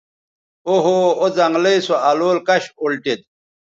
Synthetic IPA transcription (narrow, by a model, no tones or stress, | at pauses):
oɦoozɐŋɡlejsoaloːlkɐɕolʈet̪̚